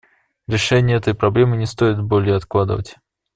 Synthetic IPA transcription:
ɾʲɪʂɛnʲɪjəɛt̪əjpɾɐblʲe̞mɨnʲɪst̪ojɪt̪bolʲɪjəɐt̪klˠad̪ə̰və̰tʲ

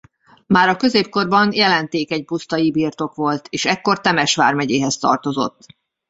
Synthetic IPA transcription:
maːɾɒkø̞zeːp̚ko̞rbɒnjɛlɛnt̪eːkɛɟ̚pust̪ɒibiːrt̪o̞kʋo̞lt̪ʰeːʃɛkːo̞rt̪ɛmɛʃʋa̰ːrmɛɟeːɦɛst̪ɒ̰rt̪o̞zo̞̰t̪ː

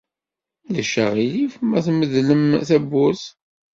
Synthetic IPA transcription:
ləʃːə̰ʁilifəmæθməðləmθæbːʊɾθ

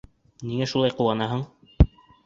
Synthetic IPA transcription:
niŋæʃulˠɑjquwɑnɑɦɤɴ

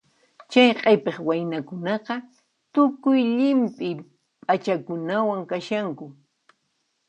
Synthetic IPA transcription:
t͡ʃajqʼepeχwajnakʊnɑqɑ | t̪ʊkʊjʎɪmpʼɪ | pʼat͡ʃakʊnawaŋkaʃaŋkʊ

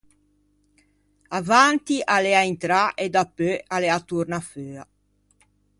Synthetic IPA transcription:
avant̪iʔalɛaint̪ɾaʔed̪apːøalɛat̪urnaføːa

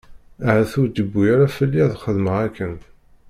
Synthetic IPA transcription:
æʕæθʊɾd̪əbːujaɾafəlːiðχəðməʁækːən

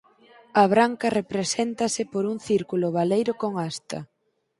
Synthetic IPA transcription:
ɐβɾaŋkɐrepɾesent̪ɐsɪpoɾuŋθiɾkulʊβalejɾʊkoŋast̪ɐ̰

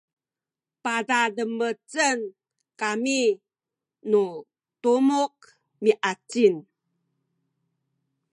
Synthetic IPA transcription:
padadəmət͡sən | kami | nu | tumuk̚ | miʔat͡sin

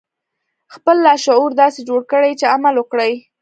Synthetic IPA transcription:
xpəlːɑʃʊuɾd̪ɑsed͡ʒoɽkəɽajt͡ʃeamalwəkɽaj

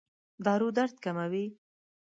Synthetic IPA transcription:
d̪ɑɾud̪aɾt̪̚kamawi

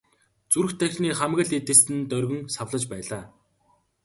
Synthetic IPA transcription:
t͡suɾɵ̆xt̪ʰæxʲɮʲniːχæmɣə̆ɮet̪ɘ̆sɘ̆nt̪œrɣɵ̆ŋsawɮə̆t͡ɕpæːɮaː

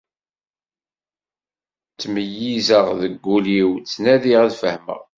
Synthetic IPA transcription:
t͡sːməjːizəʁðəɡːuliwt͡sːnæðiʁæðfəhmə̰ʁ

